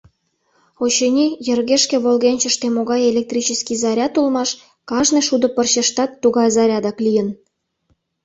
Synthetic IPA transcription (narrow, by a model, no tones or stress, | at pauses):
ot͡ɕenʲijə̆rɣeʃkĕβolɣenʲt͡ɕə̆ʃt̪emoɣɑjelʲek̚t̪rʲit͡ɕəskizɑɾʲɑt̪ulmɑʃ | kɑʃneʃud̪ŏpərɕeʃt̪ɑt̪ːuɣɑjzɑɾʲɑd̪ɑklijən